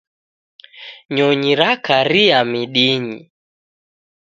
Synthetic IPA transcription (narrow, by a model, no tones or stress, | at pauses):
ɲɔɲiɾakaɾiamiɗiɲḭ